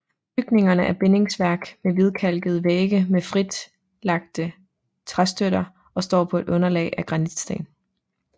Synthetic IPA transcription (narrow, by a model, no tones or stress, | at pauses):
b̥yɡ̥ne̝ŋɐnəʔæɐb̥e̝ne̝ŋsʋæɐɡ̥meʋið̞ˠkʰæl̰ɡ̥ð̞̩ˠəʋeːɡ̥əmefʁid̥ | lɑ̈ɡ̥̚d̥ə | t͡sʰʁasd̥øɾ̥ɐ | ɒ̽sd̥ɒ̰ːpʰɒ̽e̝d̥ɔ̽nɐlɛ̰ːɪæɡ̥ʁɑ̈nid̥sd̥ḛːn